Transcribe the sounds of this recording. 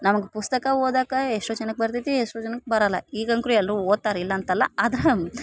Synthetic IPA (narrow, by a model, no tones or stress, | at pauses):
nɐmɐɡepust̪ɐkɐoːd̪aːkɐeʂʈoːd͡ʒɐnɐk̚bɐɾt̪it̪ieʂʈoːd͡ʒɐnɐk̚ːebɐɾɐlːɐ̰iːɡɐŋkɾuɛlːɐɾuoːd̪̚t̪aːɾilːɐːnt̪ɐlːɐaːd̪ɐɾe